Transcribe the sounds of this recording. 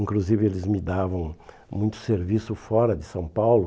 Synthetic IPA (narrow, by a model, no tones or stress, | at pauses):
ĩŋkluzivɪelɪzmɪd̪avɐ̃w̃ | mũj̃t̪ʊ̥seɾvisʊfɔɾɐd̪ɪsɐ̃w̃pawlʊ